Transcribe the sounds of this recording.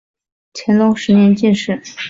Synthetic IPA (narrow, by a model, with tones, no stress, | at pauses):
t͡ɕʰjɛ˧˥nlʊ˧˥ŋʂɻ̩˧˥njɛ˧˥nt͡ɕi˥˧nʂɻ̩˥˩